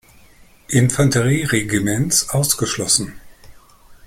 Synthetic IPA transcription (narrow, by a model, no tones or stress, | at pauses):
ʔɪnfantəʁiːʁeɡimɛnsʔaʊsɡ̥əʃlɔsn̩